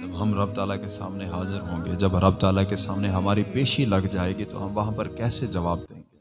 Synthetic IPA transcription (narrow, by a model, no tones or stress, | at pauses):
d͡ʒɐbɦɐmɾɐb̚t̪aːlakesa̰ːmneɦaːzɪɾɦõːŋɡed͡ʒɐbɾɐb̚t̪aːlakesaːmneɦɐmaːɾipeːʃilɐɡd͡ʒaːeːɡit̪o̰ɦɐmʋɐɦãpɐɾkɛːsed͡ʒɐʋaːb̚d̪ẽːŋɡeː